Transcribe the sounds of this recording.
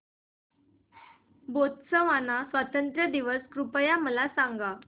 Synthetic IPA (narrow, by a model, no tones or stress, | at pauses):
bot̪səʋanasʋat̪ənt̪ɾəd̪iʋəskɾupəjaməlasãŋɡa